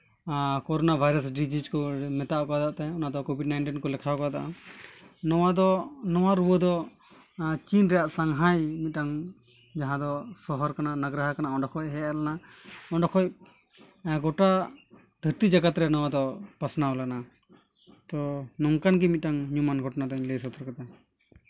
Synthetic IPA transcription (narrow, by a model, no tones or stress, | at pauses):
kɔɾɔnabʱajɾasɖid͡ʒid͡ʒkɔmɛt̪aʔkɔad̪aʔt̪ɛɔnad̪ɔkobʱiɖnajɳʈinkɔlɛkʰakɔad̪aʔa̰ | nɔwad̪ɔnɔwaɾuwəd̪ɔ | t͡ʃinɾɛjaʔsaŋɦajmit̪̚ˀaŋ | d͡ʒaɦãd̪ɔsɔɦɔɾkananaɡɾaɦakanaɔɳɖɔkʰɔc̚ɦɛɛɾlana | ɔnɖɔkʰɔc | ɡɔʈa | d̪ʱəɾt̪id͡ʒaɡat̪ɾɛnɔwad̪ɔpasnawlana | t̪ɔnɔŋkanɡimit̪̚ʈaŋɲumanɡʱɔʈnad̪ɔɲlesɔt̪ʰɔɾkat̪a